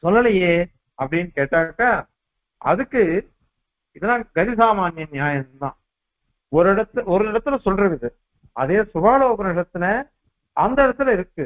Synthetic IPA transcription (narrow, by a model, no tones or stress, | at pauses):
sɔlːɐlɐjeː | ɐpːɐɽɪnːkeːʈːaːkːaː | ɐ̰ðɯkːɯ | ɪðɐnaːɡɐɾɪs̬aːmaːnjɐnjaːjɐnd̪ã̰ː | ɔɾɯɪɽɐt̪ːɯɔɾɯɪɽɐt̪ːɯlɐsɔlːɾɯkːɐðɯ | ɐðeːsʊbaːloːpɐnɐʂɐt̪ːɪnɐ | ɐnd̪ɐɪɽɐt̪ːɪlɪɾɯkːɯ